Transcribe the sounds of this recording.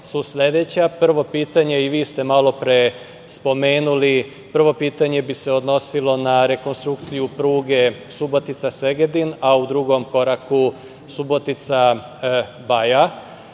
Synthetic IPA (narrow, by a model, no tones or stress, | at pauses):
susʎʲe̞d̪et͡ɕapr̩ʋo̞piːt̪aɲe̞iʋiːst̪e̞malo̞pɾe̞ | spo̞me̞ːnuli | pr̩ʋo̞piːt̪aɲe̞biseod̪no̞silˠo̞naɾe̞ko̞nst̪ɾukt̪sijupɾuːɡe̞subo̞t̪it̪sase̞ɡed̪inaud̪ɾuɡo̞mko̞ɾaku | subo̞t̪it̪sa | baja